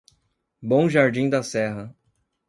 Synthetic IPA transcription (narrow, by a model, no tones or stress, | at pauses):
bõw̃ʒaɾd͡ʒĩd̪ɐsɛɦɐ